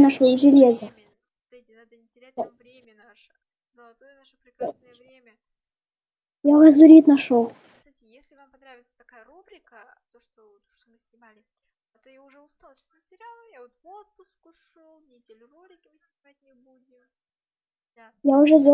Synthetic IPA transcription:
nɐʂolˠɪʐɨlʲezə | d̪ɨdʲɪnad̪ənʲɪtʲɪɾʲæt̚ʲavɾʲemʲənaʂə̥ | zəlˠɐt̪ojənaʂəpɾʲɪkɾaəjəvɾʲemʲə | jaʊʐəzʊɾʲit̪nɐʂolˠ | sutʲɪjesʲlʲɪvampɐnɾavʲɪt̪sə̥t̪ɐkajəɾubɾʲɪkə | t̪oʂt̪ot̪oʂt̪omɨsʲnʲɪmalʲɪ | t̪ojaʊʐɛʊst̪alˠsnt̪ʲɪɾʲalˠjavot̪vot̪̚pʊskʊʂolˠnʲɪdʲelʲʊɾublʲɪkʲɪvɨsʲt̪ɪpat̚ʲnʲɪbudʲɪm | d̪ajaʊʐɛzʲo

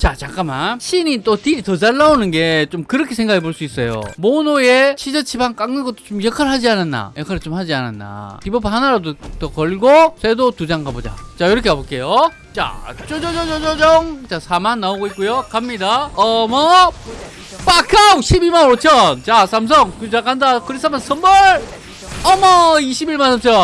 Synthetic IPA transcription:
t͡ɕat͡ɕak͈amanɕʰinit͈otiɾitʌd͡ʑaɭːaonɯnɡet͡ɕomkɯɾʌkʰe̞sʰe̞ŋɡakʰe̞boɭs͈uis͈ʌjo̰monojet͡ɕʰid͡ʑʌt͡ɕʰibaŋk͈aŋnɯɡʌt͈o̥t͡ɕomjʌkʰaɭɦad͡ʑiananːa̰jʌkʰaɾt͡ɕomhad͡ʑiananːa̰pibʌpʰahanaɾadotʌkʌɭɡosʰedotud͡ʑaŋkabod͡ʑa̰t͡ɕajiɾʌkʰeabok͈e̞jo | t͡ɕa̰t͡ɕod͡ʑʌd͡ʑʌd͡ʑod͡ʑʌd͡ʑʌŋt͡ɕasʰamanːaoɡoik͈ujokamɲidaʌmʌ | p͈akʰauɕʰibimanot͡ɕʰʌnt͡ɕasʰams̬ʰʌŋkud͡ʑakandakɯɾis͈ʰamansʰʌnbʌɾ | ʌmʌiɕʰibiɭmansʰʌmt͡ɕʰʌ

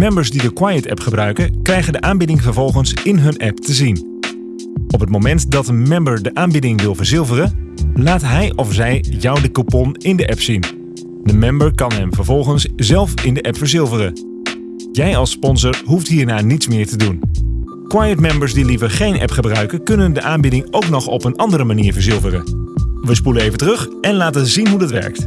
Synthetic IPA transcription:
mɛmbəɹsdidəkwaːjətɛ̰pχəbrœɥkəkrɛjχəndəʔaːmbɪdɪŋvəɹvɔlˠχənsɪnɦɵnʔɛptəzin | ʔɔpɦətmomɛntdɑtənmɛmbəɹdəʔaːnbɪdɪŋʋɪlˠvəɹzɪlˠvərəlaːtɦɛjʔɔfzɛjjɔwdəkupɔnɪndəʔɛpsin | dəmɛmbəɹkɑnɦɛmvəɹvɔlˠχənszɛlˠfɪndəʔɛpfəɹzɪlˠvərə | jɛjɑlˠspɔnsəɹɦuftɦiːɹnaːnitsmɪːɹtədun | kwajətmɛmbəɹsdilivəɹχejnʔɛ̰pχəbrœɥkəkɵnəndəʔaːnbɪdɪŋowknɔχɔ̰pənʔɑndəɾəmaniːɹvəɹzɪlˠvərə̰ʋəspuləejvəntərɵχɛnlaːtəzinɦudɑtʋɛ̰ɹk̚t

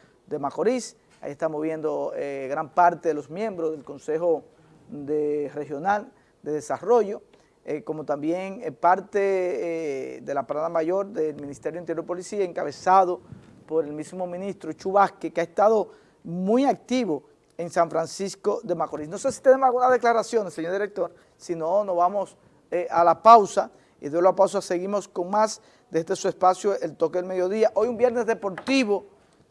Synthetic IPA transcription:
d̪e̞makoɾis | a̰jiest̪amozβje̞nd̪oeɣɾampaɾt̪e̞ðelo̞smjẽ̞mbɾozðelko̞nse̞xo̞ | d̪ere̞hjo̞nal | d̪eðe̞saro̞ʝo̞ | ko̞mo̞t̪ambje̞ŋpaɾt̪e | d̪e̞lapaɾaðamaʝo̞ɾðelmĩnist̪ejoint̪ejoipolisiaeŋkaβe̞saðopo̞ɾe̞lmismo̞mĩnist̪ɾot͡ʃuβaskekeaest̪aðo̞ | mũjak̚t̪iβo | eŋsaɱfɾansisko̞ðe̞makolisno̞se̞si̥t̪enemosalɣunazðe̞klaɾasjo̞neseɲoɾd̪iɾek̚t̪o̞ɾ | sino̞nozβamos | ealapawsa | ḭðjoloapaws̬ase̞ɣimo̞sko̞ŋmas | d̪e̞zðe̞sue̞spasjoelt̪o̞keðelme̞ðjo̞ðiaʔo̞jumbje̞ɾne̞zðepo̞ɾt̪iβo̞

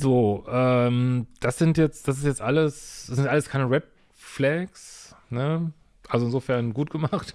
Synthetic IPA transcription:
zoːʔɛːmd̥asz̥ɪntjɛt͡sd̥as̬ɪstjɛt͡stʔaləsd̥ɛsɪntʔaləskʰaɪnəʁɛt | flɛksnə | ʔalzoɪnzoːfɛɐnɡuːt̚ɡ̥əmaχt

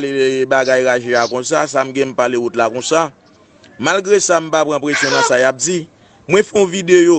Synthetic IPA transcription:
lebaɡajɣaʒeakɔ̃sas̬am̩ɡɛ̃m̩paleutlakɔ̃sa | malɡɣesam̩papɣãpɣesjɔ̃nɐ̃sajap̚d͡zi | mwɛ̃fɛõvidejo

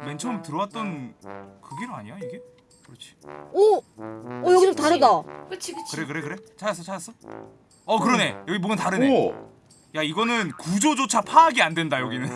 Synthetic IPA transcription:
me̞nt͡ɕʰʌmtɯɾʌwat̚t͈ʌnkɯɡiɾɯa̰ɲijaiɡe̞ | kt͡ɕʰi̥ʌː | jʌɡiɾotaɾɯda | kɯɾe̞kɯɾe̞kɯɾe̞t͡ɕʰajas͈ʌt͡ɕʰajas͈ʌ | ʌkɯɾʌne̞jʌɡibonɯntaɾɯne | jaiɡʌnɯnkud͡ʑod͡ʑot͡ɕʰapʰaːɡiandwe̞ndajʌɡinɯn

